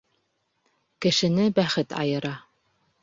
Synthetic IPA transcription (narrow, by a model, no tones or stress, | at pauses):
kɘ̆ʃɘ̆nɘbæχɘt̪ɑ̰jɤ̆ɾɑ